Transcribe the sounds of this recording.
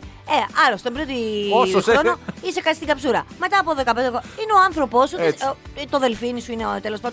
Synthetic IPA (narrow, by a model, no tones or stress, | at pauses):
eɐlost̪embid̪iosonoise̞kɐt̪sist̪iɡɐpsuɾɐme̞t̪ɐːpoðe̞kɐpend̪ekineoɐnθɾo̞po̞st̪t̪oðe̞lfinisuinet̪elo̞spɐnd̪